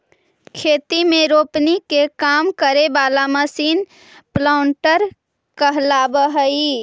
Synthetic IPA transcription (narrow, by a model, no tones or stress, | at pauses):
kʰeːt̪imẽɾoːpnikekaːmkəɾebaːlaməsiːn | plaʊɳʈəɾ | kəɦlaːbəɦəi